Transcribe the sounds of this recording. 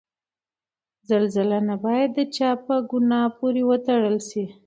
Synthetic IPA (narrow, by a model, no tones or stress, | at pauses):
zalzəlanabɑjad̪ːət͡ʃɑpəɡʊnɑpoɾewət̪aɽəlʃi